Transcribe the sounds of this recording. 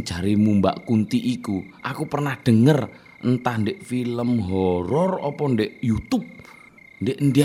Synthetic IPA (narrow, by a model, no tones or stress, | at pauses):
ʒ̥a̤ɾimumba̰ʔkunt̪iʔikuʔakupərnahd̥ə̤ŋər | ʔnt̪ahndeʔfiləmɦɔɾɔrɔpɔndeʔjut̪up̚ | ndeʔnd̪i